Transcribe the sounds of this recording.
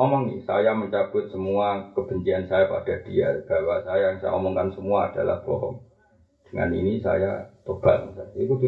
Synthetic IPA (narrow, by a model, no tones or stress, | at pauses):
ɔmɔŋḭsajaməɲt͡ʃab̥ʊt̪̚səmuakəb̥əɲt͡ʃiansajapa̰d̥ad̥ia̰b̥awasajaŋsaja̰ɔ̰mɔŋkansəmuaːd̥ala̰hb̥ɔɦɔ̰m | d̥əŋa̰nḭnisa̰ja̰t̪ob̥aŋsaikud͡ʒ